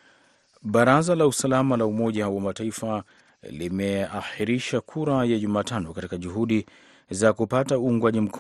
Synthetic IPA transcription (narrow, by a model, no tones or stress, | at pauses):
ɓaɾazalausalamalaumɔʄawamataifa | limɛaxiɾiʃakʰuɾajaʄumaːtanɔkatikaʄuɦuɗi | zakupatauːŋɡwaʄim̩kʰ